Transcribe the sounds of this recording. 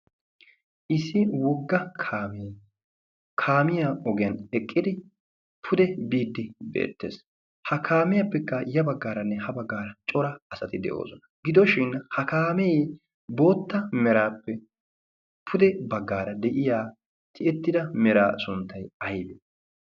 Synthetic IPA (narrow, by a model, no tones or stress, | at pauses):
ʔɪsɪwɔɡːɐkʰaːme | kʰaːmɪjaɔɡɪjɐnɛkʼːɪd̪ɪ | pʰʊd̪ɛbiːd̪ːɪbḛːt̪ːḛːs | hɐkʰaːmɪjɐpːɛkːɐjɐbɐɡːaːɾɐnːɛhɐbɐɡːaːɾɐt͡ʃʼɔɾɐɐsɐt̪ɪd̪ɛ̰ʔo̞̰ːsɔnɐ̥ɡɪd̪ɔʃɪnhɐkaːmej | bo̞ːt̪ːɐmɛɾaːpːɛ | pʰʊd̪ɛbɐɡːaːɾɐd̪ɛʔɪjaː | t̪ʰɪʔɛt̪ːɪd̪ɐmɛɾaːsʊnt̪ːɐjɐjbe